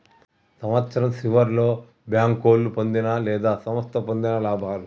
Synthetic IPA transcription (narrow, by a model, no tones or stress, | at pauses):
sɐmʋɐt̪sɐɾɐmsiʋɐɾlo̞ː | bjaːŋko̞ːlːupond̪inɐlɛːd̪aːsɐmɐst̪ʰɐpond̪inɐlaːbʱaːlu